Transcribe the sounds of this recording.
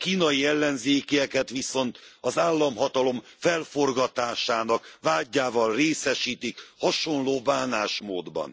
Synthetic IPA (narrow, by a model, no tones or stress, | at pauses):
kiːnɒjijɛlːɛnzeːkijɛkɛt̪ʋiso̞nt̪ɒzaːlːɒmɦɒt̪ɒlo̞mfɛlfo̞rɡɒt̪aːʃaːnɒkʋaːɟːaːvɒlreːsɛʃiːt̪ikhɒʃo̞nloːbaːnaːʃmoːd̪bɒ̰n